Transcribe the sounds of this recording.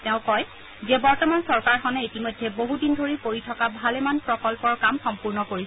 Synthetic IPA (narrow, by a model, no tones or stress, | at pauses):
tɛ̃ʊ̃kɔj | zɛbɔɹtɔmansɔɹkaɹxɔnɛitimojdʱːɛboɦudindʱoɹipoɹitʰɔkabʱalɛmanpɹɔkɔlpɔɹkamxɔmpuɹnɔkoɹisɛ